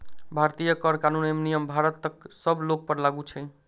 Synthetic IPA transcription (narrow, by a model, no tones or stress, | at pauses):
bʱaɾt̪ijəkəɾkanunemnijəmbʱaɾət̪ːək̚səblok̚pəɾlaɡut͡ʃʰɛ